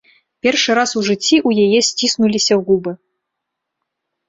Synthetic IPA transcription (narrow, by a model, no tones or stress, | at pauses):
pʲɛrʂɨɾasuʐɨt͡sʲːiʔujajɛsʲt͡sʲisnulʲisʲɐɣubɨ